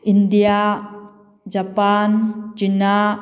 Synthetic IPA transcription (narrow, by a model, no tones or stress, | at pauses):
ind̪ija | d͡ʒapant͡ʃina